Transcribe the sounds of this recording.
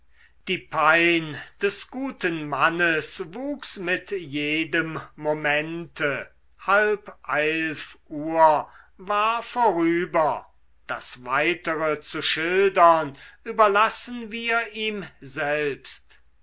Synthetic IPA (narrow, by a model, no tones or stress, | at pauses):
d̥iːpʰaɪnd̥ɛsɡ̥uːtənmanəsvuːksmɪtjeːdəmːomɛntʰə | halpʔɛlfʔuːɐ | vaːɐfoːʁyːbɐ | d̥asvaɪtəʁət͡suʃɪldɐnʔyːbɐlasənviːɐʔiːmzɛlpst